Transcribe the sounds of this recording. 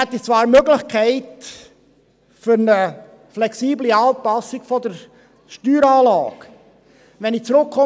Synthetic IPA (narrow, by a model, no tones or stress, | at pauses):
hɛt̪ːit͡svɑːɾmøɡlɪχkʰæɪt | fʏɾnə | flɛksiːbliɑːpɑsɪkfɔd̪əɾ | ʃtyːɾɑːlɑ̰ːk | ʋɛnɪt͡sɾʊkχɔ